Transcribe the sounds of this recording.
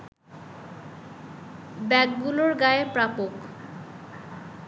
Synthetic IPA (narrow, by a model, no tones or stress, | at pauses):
bɛɡɡuloɾɡaepɾapok